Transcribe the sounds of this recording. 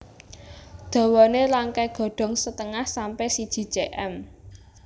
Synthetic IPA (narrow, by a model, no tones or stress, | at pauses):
d̪̥ɔ̤wɔnelaŋkɛɡ̥ɔ̤ɖ̥ɔ̤ŋsət̪əŋahsampɛsid̥ʒ̥i̤̥t͡ʃeʔɛm